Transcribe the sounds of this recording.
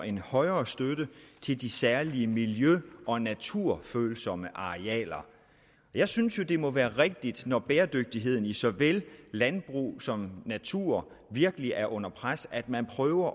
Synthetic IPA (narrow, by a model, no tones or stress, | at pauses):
e̝nhɒ̽ɪɐːsd̥ød̥ət͡sʰe̝ld̥isæɐliəmiljøʔɒ̽næt͡sʰuɐ̰føːlsɒ̽məʔɑ̈iɛ̰ːlɐ | ɒjɑ̈ɪsynsjo̝d̥e̝mɔ̽ʋæːɐʁɛɡ̥̚d̥id̥nɒb̥eːɐd̥øɡ̥̚d̥iɦe̝ð̰ˠn̩isɒ̽ʋellænb̥ʁṵːsɒ̽mnæt͡sʰuɐ̰ | ʋiɐɡ̥əliʔæɐʔɔ̽n̰ɐpʰʁasæd̥mænpʰʁœːʊɐ